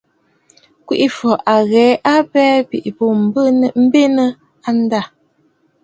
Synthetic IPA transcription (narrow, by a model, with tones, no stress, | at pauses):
kwi˦ʔi˦fɔ˨ʔa˨ɣɛ˨˦a˦bɛː˦pḭ˨ʔi˨po˨m˨bm̩˦be˦nə˦ | a˦n˦da˦˨